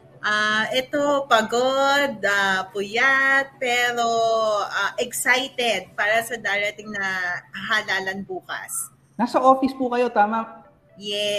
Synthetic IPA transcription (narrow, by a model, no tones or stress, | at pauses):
ʔaʔɛt̪o̞pɐɡo̞d̪̚ɐpʊjat̪̚pɛːɾo̞ʔaʔɛksajt̪ɛd̪̚paːɾɐsɐd̪aːɾɐt̪ɪŋnɐɦalaːlɐnbuːkɐ̰s | nasɐʔoːfɪspukɐjo̞t̪aːmɐ | jɛ